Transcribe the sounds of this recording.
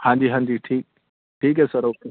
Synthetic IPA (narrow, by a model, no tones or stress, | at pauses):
hãːnd͡ʒiɦãːnd͡ʒiːʈʰiːk̚ | ʈʰiːk̬esɐɾoːke